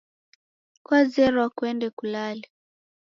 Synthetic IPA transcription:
kwazɛɾɔwakwɛndɛkulali

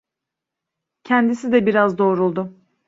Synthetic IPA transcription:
cʰɛnd̪isid̪ɛbiɾazd̪o̞ːɾulˠd̪ʊ

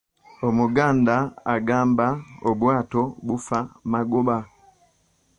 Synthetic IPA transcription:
omuɡaːndaaɡaːmbaobwaːtobufamaɡuba

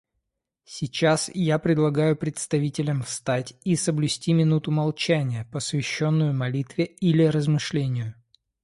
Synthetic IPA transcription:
sʲɪt͡ɕasjapɾʲɪd̪lˠɐɡajʊpɾʲɪt̪st̪ɐvʲitʲɪlʲəmfst̪atʲisəblʲʉsʲtʲimʲɪnut̪ʊmɐlˠt͡ɕænʲɪjəpəsvʲɪɕːo̞nːʊjʊmɐlʲit̪vʲɪilʲɪɾəzmɨʂlʲenʲɪjʊ

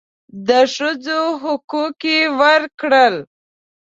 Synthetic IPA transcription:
d̪əʂəd͡zoɦʊkukewəɾkɽəl

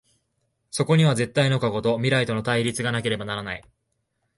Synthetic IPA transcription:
so̞ko̞ɲ̟iβ̞aze̞t̪ːaino̞kaɡo̞t̪o̞mʲiɾait̪o̞no̞t̪aiɾʲit͡sɨɡanake̞ɾe̞banaɾanai

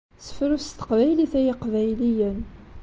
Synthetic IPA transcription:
sə̥fɾust̪ə̥qvæjliθæjiqvæjlijən

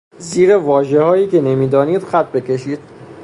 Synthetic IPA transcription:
ziːɾevɒːʒe̞hɒːjiːcʰe̞ne̞miːd̪ɒːniːd̪xæt̪̚ʰbe̞cʰe̞ʃiːd̪̥̚

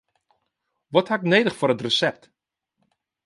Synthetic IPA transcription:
ʋɔthaɪknejdəχfʊɾətrəsɛp̚t

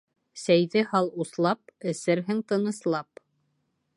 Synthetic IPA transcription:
sæjðɘhɑlˠuslˠɑp̚ɘ̆sɘɾɦɘŋt̪ɤ̆nɤ̆slˠɑp

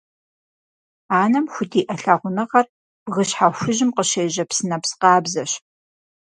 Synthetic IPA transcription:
aːnɐmxʷʊtʰiːʔɐɬɐʁʷʊnɨʁɐr | b̥ʁəɕħaɕʷʊʑɪmqəɕeːʑɐpsɨnɐpsqɑːbzɐɕ

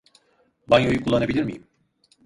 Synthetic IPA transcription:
banjojukʰulˠːanabilʲiɾmḭjim

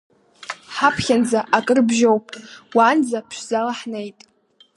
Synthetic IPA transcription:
ħapʰχʲand͡zaʔakʼɨrbʒowpʼwaːnd͡zapʰʃʷzalaħnejtʼ

